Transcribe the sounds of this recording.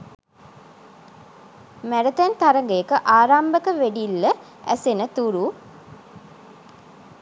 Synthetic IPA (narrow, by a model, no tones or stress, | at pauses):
mæɾət̪ænt̪aɾəŋɡəjəkəʔaːɾambəkəʋeɖilːə | æ̰senət̪uɾu